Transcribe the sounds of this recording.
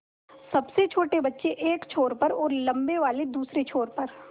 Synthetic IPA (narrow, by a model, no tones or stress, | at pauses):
sɐbset͡ʃʰoːʈebɐtːʃeʔeːkt͡ʃʰoːɾpɐɾɔːɾlɐ̃mbeʋaːled̪uːsɾet͡ʃʰoːɾpɐɾ